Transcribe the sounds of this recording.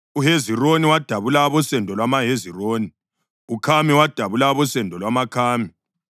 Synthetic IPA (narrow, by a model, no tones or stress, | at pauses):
uɦezironiwad̥ʱaβulaβɔsɛndʱɔlwamaɦeziroːni | ukʰamiwad̥ʱaβulaβɔsɛndʱɔlwamakʰaːmi